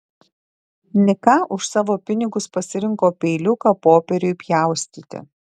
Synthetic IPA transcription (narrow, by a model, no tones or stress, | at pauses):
nʲɪkɑʔʊʃsɑːʋoːpʲɪnʲɪɡʊspɐsʲɪɾʲɪŋkoːpʲɛɪlʲʊkɐpoːpʲɛɾʲʊɪpʲjɛˑʊsʲt̪ʲiːt̪ʲɪ̰